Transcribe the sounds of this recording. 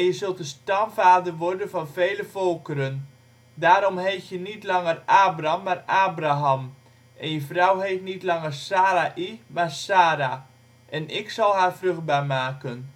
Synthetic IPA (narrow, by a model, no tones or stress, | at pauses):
jəzɵlˠtəstɑmvaːdərʋɔrdənvɑnveːləvɔlˠkəɾən | daːɾɔmɦejfjənitlɑŋəraːbramːaraːbraɦam | ʔɛnjəfrɔwɦetnitlɑŋərsaːɾaʔimaːrsaːɾa | ʔɛnɪksɑlˠɦaːrvrɵχd̚baːrmaːkən